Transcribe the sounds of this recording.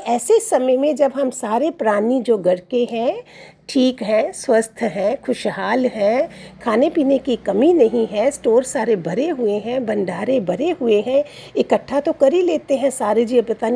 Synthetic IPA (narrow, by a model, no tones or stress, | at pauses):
ɛːsesːɐməjmẽd͡ʒɐbɦɐmsaːɾepɾaːnid͡ʒoːɡɐɽkeɦɛ̃ | ʈʰiːkɦɛ̃swɐst̪ʰɦɛ̃kʰʊʃɦaːlɦɛ̃kʰaːnepiːnekikɐminɐɦĩɦɛ̃sʈoːɾsaːɾebʱɐɾeɦʊeɦɛ̃bɐ̃nɖʱaːɾebʱɐɾeɦʊeɦɛ̃ | ɪkəʈʰːat̪okɐɾileːt̪eɦɛ̃saːɾed͡ʒiːepɐt̪aːn